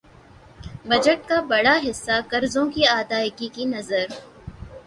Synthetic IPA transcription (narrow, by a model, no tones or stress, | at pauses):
bɐd͡ʒəʈ̚kabɐɽaɦɪsːakɐɾzõkiaːd̪aːɪkikinɐzəɾ